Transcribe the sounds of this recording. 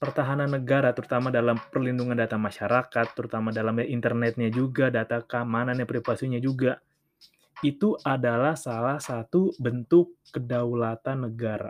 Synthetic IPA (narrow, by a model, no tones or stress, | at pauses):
pərt̪aɦananːəɡaɾat̪əɾut̪amadalampərlinduŋandat̪amaʃaɾakat̪ːəɾut̪amadalamaʔint̪ərnɛt̪̚ɲad͡ʒuɡadat̪akamananjapɾifasiɲad͡ʒuɡa | it̪uʔadalahsalahsat̪ubənt̪ʊkːədaulat̪anːəɡaɾa̰